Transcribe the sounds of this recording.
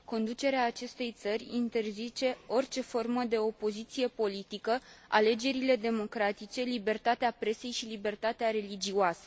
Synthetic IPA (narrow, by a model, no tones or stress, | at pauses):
ko̞nd̪ut͡ʃe̞ɾeaːt͡ʃe̞st̪e̞jt̪sərʲint̪e̞rzit͡ʃe̞o̞rt͡ʃe̞fo̞rməd̪e̞o̞po̞zit̪sije̞po̞lit̪ikəa̰le̞d͡ʒe̞ɾile̞d̪e̞mo̞kɾat̪it͡ʃe̞libe̞rt̪at̪eapɾe̞se̞jʃilibe̞rt̪at̪eaɾe̞lid͡ʒiuasə̥